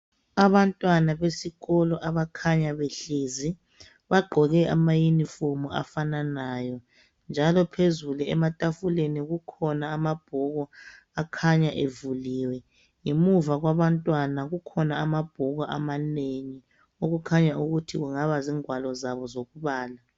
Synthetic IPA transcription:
aβantʼwanaβesiɣɔlɔʔaβakʰaɲaβeɬiːzi | βaɡ͡ǃʱɔɣɛʔa̰majinifomuʔa̰fananaːjɔ | nd͡ʒʱalɔpʰezuluɛ̰matʼafuleniɣukʰɔnaːmab̥ʱɔɣɔ | akʰaɲaʔevuliːwɛ | ŋemuvaɣwaβantʼwanaɣukʰɔnaamab̥ʱɔɣɔʔa̰maneŋi | oɣukʰaɲauɣutʰiɣuŋaβaziːŋwalɔzaβɔzoɣuβaːla

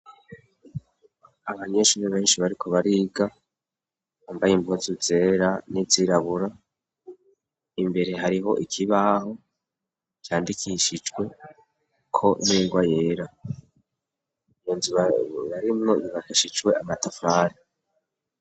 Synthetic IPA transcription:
aβaɲeʃuɾeβe̞ːnʃiβaɾikʰo̞βaɾiːɡa | ambajimbuzuze̞ːɾaniziɾaβuɾa | imbe̞ɾe̞ɦaɾiɦo̞̰ʔikʰiβaho̞ | kjaːndikʰiʃid͡ʒɡwe̞ | kʰo̞niŋɡwaje̞ːɾa | joːnziββaɾimŋo̞βiβakiʃid͡ʒwe̞ʔamatafaːɾi

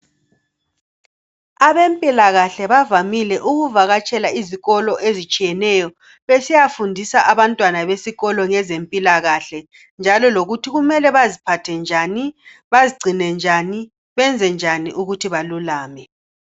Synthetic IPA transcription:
aβempʼilaɣaɬɛβavamilɛʔuɣuvaɣat͡ʃʼɛlaiziɣɔlɔʔezit͡ʃʼijɛnɛjɔ | βesijafundʱisaʔaβantʼwanaβesiɣɔlɔŋɛzempʼilaɣaɬɛ | nd͡ʒʱalɔloɣutʰiɣumɛlɛβazipʰatʰɛnd͡ʒʱani | βaziɡ͡ǀʱinɛnd͡ʒʱani | βɛnd͡zʱɛnd͡ʒʱaniʔuɣutʰiβalulaːmɛ

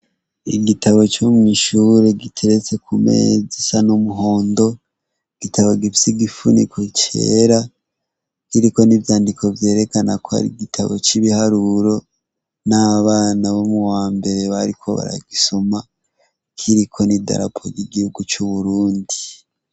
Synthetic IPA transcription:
ḭɡitaβo̞t͡ʃomŋiːʃuɾeɡitʰeɾet͡se̞kʰumḛzisanomuɦoːndo̞ | ɡ̥itʰaβoɡifjiɡifunḭkʰot͡ʃe̞̰ːɾa | kiɾiko̞nivjaːndiko̞vje̞ːɾe̞kanakoa̰ɾḭɡitʰaβo̞̰t͡ʃiβihaɾuɾo̞ | naβaːnaβomuwaːmbe̞ɾe̞βaɾikʰo̞̰βa̰ɾa̰ɡisoma | kʰiɾikʰo̞nida̰ɾa̰pʰoɡiɡihuɡut͡ʃuβuɾuːndi

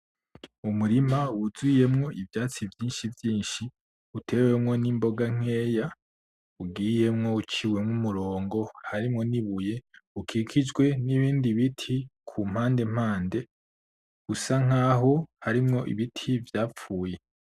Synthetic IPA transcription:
umuɾimawuzije̞mŋo̞ʔivjaːt͡sivjiːnʃivjiːnʃi | utʰewe̞mŋo̞nimbo̞ɡaŋ̥eːja | uɡiːje̞mŋo̞ut͡ʃiwe̞mŋumuɾo̞ːŋɡo̞haɾimŋo̞niβuje̞ukʰikʰid͡ʒɡwe̞niβiːndiβitʰikʰum̥haːnde̞m̥haːnde̞ | ɡusaŋ̥aːɦo̞haɾimŋo̞ʔḭβitʰivjaːp͡fuːje̞

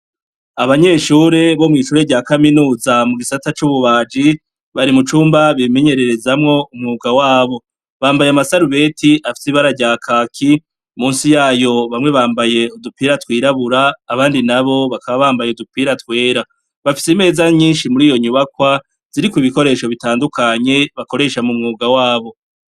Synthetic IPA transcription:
aβaɲe̞ʃuːɾe̞βo̞mŋiːʃuːɾe̞ɟaːkaminuːzamuɡisatat͡ʃuβuβaːd͡ʒi | βaɾimut͡ʃuːmbaβime̞ɲe̞ɾe̞ɾe̞zamŋo̞umŋuːɡawaːβo̞ | βaːmbajamasaɾuβe̞tiafi̥siβaɾaɾɟaːkʰaːkʰi | muːnsijaːjo̞βamŋe̞βaːmbaje̞udupiɾatwiːɾaβuɾaːβaːndinaβo̞βakaβaβaːmbajeudupiɾatwe̞ːɾa | βafi̥sime̞ːzaɲiːnʃimuɾiːjo̞ɲuβakwa | z̥iɾikwiβiko̞ɾe̞ːʃo̞βitaːndukʰaɲe̞βako̞ɾe̞ʃamumŋuːɡawaːβo̞

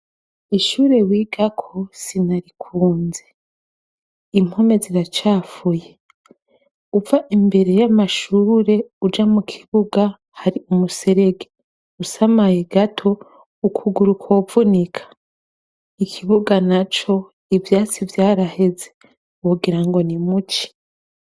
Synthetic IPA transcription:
iʃuːɾe̞wiɡakʰosinaɾikʰuːnze | im̥home̞ziɾat͡ʃaːfuje̞ | uvaʔimbe̞ɾe̞jamaʃuːɾe̞ud͡ʒamukʰi̥βuɡa | haɾiumuse̞ɾe̞ɡe | usamajeɡatʰo̞ | ukʰuɡuɾukʰovunikʰḁ | ikʰiβuɡanat͡ʃo̞ | ivjaːt͡sivjaːɾahe̞ze | uɡiɾaŋɡo̞nimut͡ʃi̥

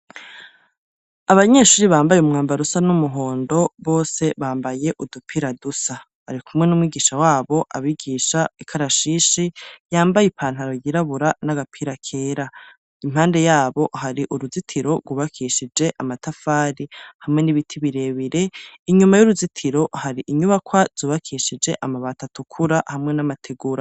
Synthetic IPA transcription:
aβaɲe̞ːʃuːɾiβaːmbajeumŋaːmbaɾusanumuɦo̞ːndo̞βo̞ːse̞βaːmbaje̞ʔudupʰiɾadusa | aɾikʰumŋe̞numwiːɡiːʃawaːβo̞ʔaβiɡiːʃaikʰaɾaʃiːʃijaːmbajipʰaːn̥haɾo̞jiɾaβuɾanaɡapʰiɾakʰe̞ːɾa | im̥haːnde̞jaːβo̞ɦaɾiʔuɾuzitʰiɾo̞ɡwuβakʰiʃid͡ʒe̞ʔamatafaːɾihamŋe̞niβitʰiβiɾe̞βiɾe̞iɲumajuɾuzitʰiɾo̞haɾiʔiɲuβakwaz̥uːβakʰiʃid͡ʒe̞ʔamaβatatukʰuɾahamŋe̞namatʰeɡuːɾa

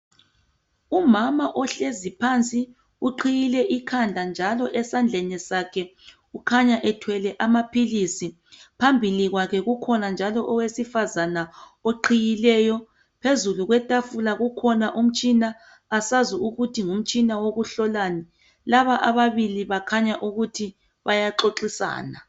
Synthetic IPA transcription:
umamaʔɔɬezipʰant͡sʼi | uǃʰijilɛʔikʰand͡ɮʱand͡ʒʱalɔʔɛsand͡ɮʱɛnɛsakʰɛ | ukʰaɲaʔɛtʰwɛlɛʔamapʰilisi | pʰambʱiliɣwakʰɛɣukʰɔnand͡ʒʱalɔʔɔwesifazana | oǃʰijilɛːjɔ | pʰezuluɣwɛtʼafulaɣukʰɔnaʔum̩t͡ʃʼinaː | sazuuɣutʰiŋum̩t͡ʃʼinawoɣuɬɔlani | laβaʔaβaβiliβakʰaɲaʔuɣutʰi | βajaǁoǁisa̰ːna

